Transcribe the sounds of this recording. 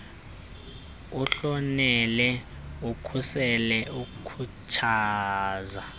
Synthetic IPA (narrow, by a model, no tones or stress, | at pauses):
uɬɔnɛlɛ | ukʰusɛlɛukukʰut͡ʃʰaːza